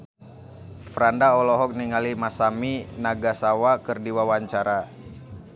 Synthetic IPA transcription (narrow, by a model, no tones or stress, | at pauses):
fɾandaɔlɔɦɔk̚niŋalimasaminaɡasawakɨrdiwawaɲt͡ʃaɾa